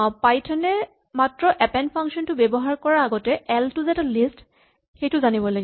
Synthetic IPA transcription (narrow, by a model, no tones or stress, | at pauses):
pajtʰɔnɛ | matɹɔʔɛpɛnpʰaŋksɔntʊbɛbɔɦaɹkɔɹaːɡɔtɛʔɛltuzɛtalist | xejtʊzanibɔlaɡi